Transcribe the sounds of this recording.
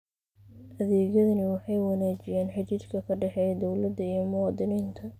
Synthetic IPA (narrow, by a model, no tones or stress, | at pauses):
ʔɐðɛːɣjɐðɐnɪwɑħɑjwɑnaːt͡ʃɪjaːnħɑt͡ʃiːd̪kʰɐkʰɐɖɛħɛjɐd̪ɔwlɐd̪ːɐijɞmʊwɑːd̪ɪniːnt̪ʰɐ